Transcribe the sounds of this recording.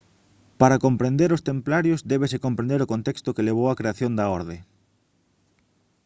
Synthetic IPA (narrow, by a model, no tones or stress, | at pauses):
paɾakompɾẽnd̪eɾʊst̪emplaɾjozd̪ɛβesekompɾẽnd̪eɾokont̪ɛkst̪okeleβ̞owakɾeaθjond̪ɐɔɾðe